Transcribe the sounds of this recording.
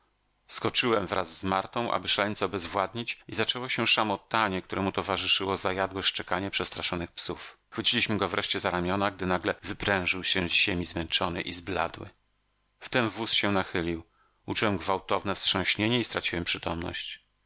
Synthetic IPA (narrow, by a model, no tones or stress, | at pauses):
skɔt͡ʂɘwɛmvɾa̰zːmaɾt̪ɔ̃w̃ʔa̰bɘʂalɛɲt̪sɔbɛzvwad̪ɲit͡ɕizat͡ʂɛwɔɕɛʂamɔt̪aɲɛk̚t̪uɾɛmut̪ɔvaʐɘʂɘwɔzajad̪wɛʂt͡ʂɛkaɲɛpʂɛst̪ɾaʂɔnɘxpsufxfɘt͡ɕilʲiɕmɘɡɔvɾɛʂt͡ɕɛzaɾamʲjɔnaɡ̚d̪ɘnaɡlɛvɘpɾɛ̃w̃ʐɘwɕɛzʑemʲizmɛnt͡ʂɔnɘ̰ʔizbla̰d̪wɘ̰ | ft̪ɛmvusɕɛnaxɘlʲiw | ut͡ʂuwɛmɡvawt̪ɔvnɛfstʂɔ̃w̃ɕɲeɲɛist̪ɾat͡ɕiwɛmpʂɘt̪ɔmnɔ̰ɕt͡ɕ